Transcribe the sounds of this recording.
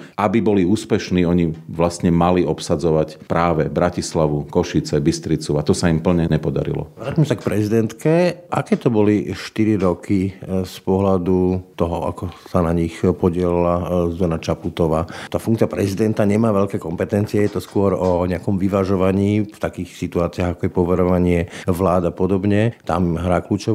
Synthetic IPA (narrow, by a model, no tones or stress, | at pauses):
ʔabibɔliuːspɛʃniːɔɲiʋlast̪ɲɛmaliɔpsad͡zɔʋacpɾaːʋɛbɾacislaʋukɔʃit͡sɛbist̪ɾit͡suat̪ɔsaimpl̩ɲɛɲɛpɔd̪a̰ɾḭlɔ̰ʋɾaːcmɛsak̚pɾɛzid̪ɛnt̪kɛʔakɛːt̪ɔbɔliʃt̪iɾiɾɔkispɔɦlad̪ut̪ɔɦɔa̰kɔsanaɲixpɔɟɪɛlilazɔnat͡ʃaput̪ɔʋaːt̪aːfuŋkt͡siapɾɛzid̪ɛnt̪aɲɛmaːʋɛʎkɛːkɔmpɛt̪ɛnt͡siɛjɛt̪ɔskʊɔɾɔɲɛakɔmʋiʋaʒɔʋaɲiːft̪akiːxsit̪uaːt͡siaɣakɔjɛpɔʋɛɾɔʋaɲɪɛʋlaːd̪apɔd̪ɔbɲɛt̪a̰mɦɾaːkluːt͡ʃɔ